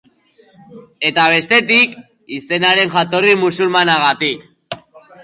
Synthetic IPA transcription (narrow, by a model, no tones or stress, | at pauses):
e̞t̪aβ̞e̞st̪e̞t̪ik | ise̞naɾe̞nʝat̪o̞rimusulmanaɣ̞at̪ik